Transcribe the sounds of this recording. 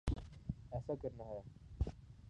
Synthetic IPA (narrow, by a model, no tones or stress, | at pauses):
ɛːsakəɾnaɦa